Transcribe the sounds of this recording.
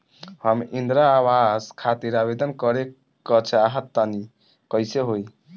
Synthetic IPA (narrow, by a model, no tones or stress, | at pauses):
həmind̪ɾaːwazkʰat̪iɾabed̪ənkəɾe | kət͡ʃʰaɦət̪ːani | kəjseɦoj